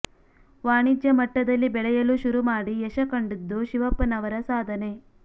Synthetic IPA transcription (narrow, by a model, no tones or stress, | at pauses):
ʋaːɳid͡ʒjɐmɐʈːɐd̪ɐlːibɛɭɛjɐluʃuɾumaːɽiɛʃɐkɐɳɖid̪ːuʃiʋɐpːɐnɐʋɐɾɐsaːd̪ʱɐne̞